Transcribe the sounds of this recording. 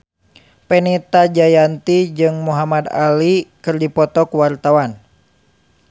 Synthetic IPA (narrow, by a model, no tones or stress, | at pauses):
pɛnɛt̪ad͡ʒajant̪id͡ʒɨŋmuɦamad̪a̰likɨrdipɔt̪ɔkuwart̪awan